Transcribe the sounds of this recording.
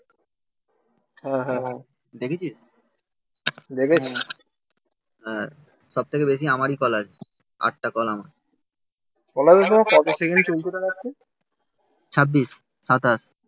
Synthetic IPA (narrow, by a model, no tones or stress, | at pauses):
ɦɛ̃ɦɛ̃ɦ | d̪ekʰet͡ɕʰiʃ | d̪eket͡ɕʰi | ɦɛ̃ | ʃɔb̚t̪ʰekebeʃ̬iamaɾikɔlad͡ʑʰe | a̰ʈ̚ʈakɔlamaɾ | kɔlad͡ʑet̪omakɔt̪esekent͡ɕolt̪et̪eɾakːe | t͡ɕʰabːiʃː | at̪as